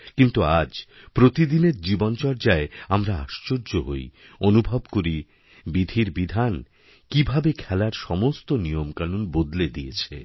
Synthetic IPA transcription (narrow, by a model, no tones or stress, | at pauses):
kint̪uad͡ʑ | pɾot̪id̪ineɾd͡ʑibont͡ɕɔɾd͡ʑaeamɾaa̰ʃt͡ɕoɾd͡ʑoɦoj | onubʱobkoɾi | bid̪ʱiɾbid̪ʱan | kibʱabekʰɛlaɾʃɔmost̪onijomkanunbod̪led̪iet͡ɕʰḛ